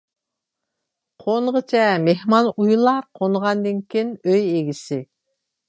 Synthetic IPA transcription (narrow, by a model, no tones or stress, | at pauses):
qʰonʁət͡ʃʰɛmehmɑnujlˠɑɾqʰonʁɑnd̪ɨŋkʲʰinøjeɡʲisɪ